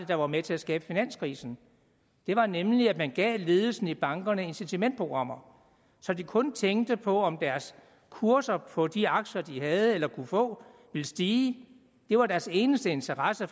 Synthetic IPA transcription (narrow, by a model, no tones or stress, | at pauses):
əd̥ɑ̈ʋɑ̈met͡sʰe̝æsɡ̥ɛːb̥əfinæn̰skʰʁḭːsn̩ | d̥e̝ʋɑ̈nemliæ̥mænɡ̥ɛ̰ːle̝ːð̞ˠl̩sn̩ib̥ɑ̈ŋɡ̥ɐnəe̝nsit͡sʰimen̰d̥pʰo̝ɡ̥ʁɑ̈m̰ɐ | sɒ̽d̥ikʰɔ̽nt͡sʰeŋ̰d̥əpʰɒ̽ɒ̽md̥æɐs | kʰuɐsɐpʰɒ̽d̥iɑ̈ɡ̥ɕɐd̥iɦæð̞ˠəelɐkʰufɔ̰̽ː | ʋiləsd̥iː | d̥e̝ʋɑ̈ɾæɐse̝ːnəsd̥əe̝nt͡sʰɐʁɑsə